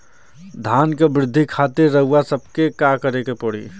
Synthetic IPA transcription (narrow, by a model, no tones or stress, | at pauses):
d̪ʱaːnkebɾɪd̪ʱːikʰaːt̪ɪɾːəɦuasəb̚kekakəɾekepoɽ̤ḭː